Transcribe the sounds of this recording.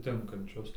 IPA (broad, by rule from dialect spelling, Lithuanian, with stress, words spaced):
ˈtʲɪŋkɐnʲt͡ʃʲʊs